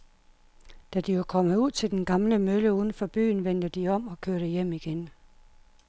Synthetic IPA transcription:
d̥æd̥iʋɑ̈kʰɒ̽məð̩ˠuð̰ˠt͡sʰe̝ld̥enɡ̥ɑ̈mləmøləuðˠn̩fɒ̽b̥y̰ːnʋen̰d̥əd̥iɒ̽m̰ɒ̽kʰøɐɾ̥əjem̰iɡ̥en

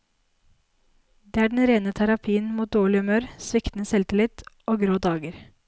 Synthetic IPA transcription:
d̪eːæːɖɛn̩ɾeːnət̪ʰæɾɑpʰiːənmuːt̪̚d̪oːɭɪʉmøːɾsʋɪkt̪n̩əsɛlt̪ɪlɪt̪ʔoːɡɾoːd̪ɑːɡəɾ

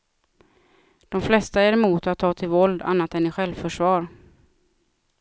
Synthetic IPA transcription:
d̪̥ɔmflɛst̪aæɾɛmuːt̪at̪ʰːɑːt̪ʰɪlvɔld̪a̰nːat̪ɛnɪɧɛlvfœʂvɑːɾ

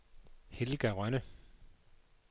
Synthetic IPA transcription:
helɡ̥æʁœnə

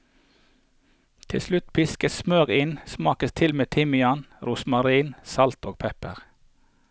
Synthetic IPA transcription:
t̪ʰɪ̰lslʉt̪pʰɪskəssmøːʁɪnsmɑːkəst̪ʰɪlmeːt̪ʰɪmɪɑnɾʊːsmɑʁiːnsɑlt̪oːɡ̚pʰɛpə̰ʁ

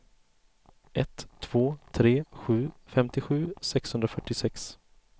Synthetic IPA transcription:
ʔɛt̪ʰːv̥oːt̪ʰɾeːɧʉ̟ːfɛmt̪ɪɧʉ̟ːsɛkshɵnd̪ɾafœʈːɪsɛks

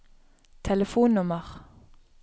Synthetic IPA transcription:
t̪ʰɛləfuːnnʊməʁ

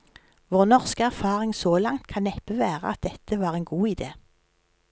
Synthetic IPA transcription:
ʋoːʁnɔʁskəæʁfɑːʁɪŋsoːlɑŋt̪̚kʰɑnɛpəʋæːʁə̰ɑ̰t̪̚d̪ɛt̪ʰəʋɑːʁeːnɡuːɪd̪eː

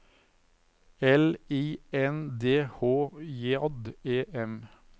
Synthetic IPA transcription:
ɛliːɛnd̪eːhoːjeːɑd̪eːʔɛm

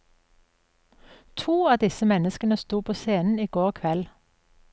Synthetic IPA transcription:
t̪ʰuːɑːd̪ɪsəmɛnəskənəst̪uːpʰoːseːnn̩iːɡoːʁkʰʋɛl

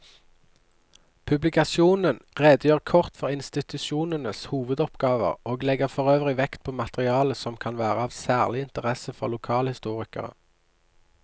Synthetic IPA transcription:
pʰʉblɪkɑsjuːnənʁeːd̪əjøːʁkʰɔʁt̪fɔʁɪnst̪ɪt̪ʉʃuːnənəshuːʋəd̪ɔpɡɑːʋə̰ʁoːɡlɛɡəʁfɔʁøːʋʁɪʋɛkt̪̚pʰoːmɑt̪əʁɪɑːləsɔmkʰɑnʋæːʁəɑːʋsæːʁlɪɪnt̪əʁɛsəfɔʁlʊkʰɑːlhɪst̪uːʁɪkə̰ʁə̰

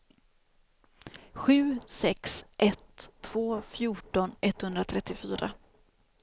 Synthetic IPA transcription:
ɧʉ̟ːsɛksʔɛt̪ʰːv̥oːfjuːʈɔnɛt̪ːhɵnd̪ɾat̪ʰɾɛt̪ːɪfyːɾa̰

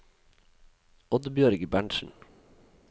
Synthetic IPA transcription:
ɔd̪bjœɾɡəbæɳʃn̩

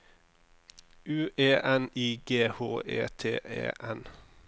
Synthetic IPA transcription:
ʉːʔeːʔɛniːɡeːhoːʔḛːt̪ʰeːʔḛːʔɛn

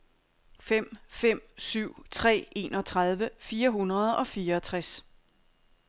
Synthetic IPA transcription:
fem̰fem̰syʊ̰t͡sʰʁɛ̰ːe̝ːnɒ̽t͡sʰʁað̞ˠʋəfiːɐɦunʁɐð̞ˠɒ̽fiːɐːt͡sʰʁas

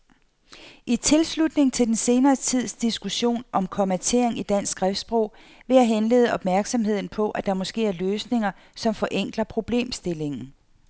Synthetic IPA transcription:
ʔit͡sʰe̝lslud̥ne̝ŋt͡sʰe̝ld̥ense̝ːnɐːt͡sʰið̞̰ˠsd̥isɡ̥uɕo̝̰ːnʔɒ̽mkʰɒ̽mæt͡sʰe̝ɐ̰e̝ŋid̥æn̰sɡ̥ʁɛfd̥sb̥ʁɔ̽ʊ̰ | ʋe̝jɑɦenle̝̰ːð̞ˠəʔɒ̽b̥mæɐɡ̥sɒ̽mɦe̝ð̞̰ˠn̩pʰɒ̽ʔæd̥ɑ̈mɒ̽sɡ̥e̝̰ːæɐløːsne̝ŋɐ | sɒ̽mfɒ̽ʔeŋ̰ɡ̥lɐpʰʁo̝b̥le̝̰ːmsd̥e̝le̝ŋn̩

